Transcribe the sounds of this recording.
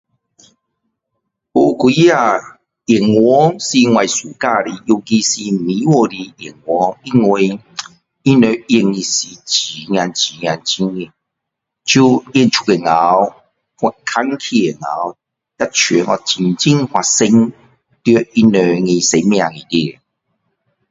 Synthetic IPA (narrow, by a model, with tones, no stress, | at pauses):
u˧kwi˨˦ja˧ | i˨˩ŋwɔ˦si˧ŋwa˨˧jsu˨˩ka˦˧ɾi˧ju˧ki˧si˧mĩ˨˦wɔ˧ɾi˧i˨˩ŋwɔ˨˦i˦˧ŋwe˧ | i˦nə˨˧i˧ŋi˧si˧t͡ɕi˨˦ŋi˧a˧nt͡ɕi˨˦ŋ˧a˧nt͡ɕi˦ŋi˨ | t͡ɕʰu˦i˧nt͡ʃʰu̥˧ke˨˩ŋa˨˦w | ha˧˨kʰa˦ŋkʰi˧e˨ŋa̰˨˦w | a˦t͡ɕʰɥɛ˨˦nɔ˧t͡ɕi˧˩ŋt͡ɕi˦ŋhwa˨se˧ŋ | t̪jə˧˦i˦nø˧ŋĩ˧se˧mj̃ã˧˨ŋĩ˨t̪i˧e˨